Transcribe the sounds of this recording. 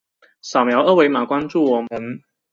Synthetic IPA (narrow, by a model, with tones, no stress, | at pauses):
sa˨˩ʊmjɑ˨˧˥wʔɤ˥˩we˨˥jma˨˩kwa˥nt͡su˥˩wɔ˨˩mə˨˦n